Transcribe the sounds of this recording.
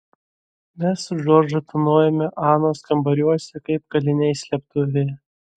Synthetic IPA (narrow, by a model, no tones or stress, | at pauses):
mʲɛsʒoːɾʲd͡ʒɐt̪ʊnoːjɛmʲɛʔɑːnoːskɐmbɐɾʲuɔsʲɛkɐɪp̚kɐlʲɪnʲɛɪsʲlʲɛp̚t̪ʊʋʲɛɪ